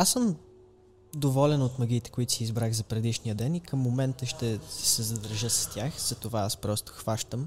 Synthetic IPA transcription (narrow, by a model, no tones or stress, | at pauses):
asəm | d̪ovɔlɛnot̪mɐɡ̟ʲiːt̪ɛ̥koit̪o̥sizbɾaɣzɐpɾɛd̪iʃnijəd̪ɛnikəmːomɛnt̪əʃt̪ɛsɛzɐd̪ɐɾʒɤsɐ̥st̪ʲjaxz̥ɐt̪ovaaspɾɔst̪o̥xvaʃt̪əm